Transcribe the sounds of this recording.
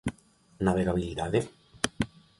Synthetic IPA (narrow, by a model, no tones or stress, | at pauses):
naβeɣaβiliðaðe